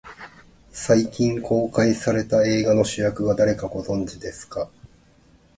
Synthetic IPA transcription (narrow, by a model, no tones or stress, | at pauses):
saikʲĩŋkʰo̞ːkaisaɾe̞t̪ae̞ːɡano̞ɕɨjakɯ̟ɡad̪aɾe̞kaɡo̞zõ̞ɲ̟d͡ʑid̪e̞sɨ̥ka